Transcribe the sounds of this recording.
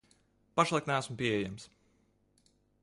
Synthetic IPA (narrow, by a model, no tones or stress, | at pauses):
paʃlˠajk̪nææsmpʲiɛjams